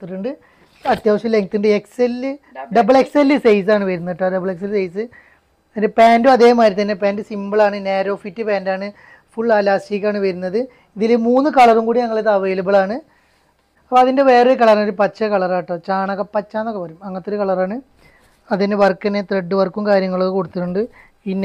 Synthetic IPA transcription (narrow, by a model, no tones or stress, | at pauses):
t̪ːiʈːuɳɖɨ | ɐt̪jaːʂɐmle̞ŋɡt̪ːuɳɖɨe̞kselːɨɖɐbɐɭekselːɨsejs̬aːɳɨʋɐɾunːiʈːaɖɐbɐɭekselːsejsɨ | ɐðindepaːnduɐðe̞ːmaːɾit̪ɐnːe̞paːndɨsimbɐɭaːɳɨne̞ːɾo̞ːfitːɨpaːndaːɳɨ | fuɭːaːlaːsiːkʲːaːɳɨʋɐjɾunːɐðɨ | iðilmuːnːɨkɐɭɐrumkuːɽiɲɐŋːɐɭet̪ɐʋɐjilɐbɐɭaːɳɨ | ɐpːoɐðinde̞ʋe̞ːrekɐɭɐrɐnoɾupɐt͡ɕːɐkɐɭɐraːʈːot͡ɕaːɳɐɣɐpːɐt͡ɕːaːnːokːepɐɾumɐŋːɐt̪ːoɾukɐɭɐraːɳɨ | ɐðinːeʋɐrkːɐnːet̪reɖːɨʋɐrkumkaːɾjɐŋːɐɭokːekoɽut̪ːiʈːuɳɖɨ | inː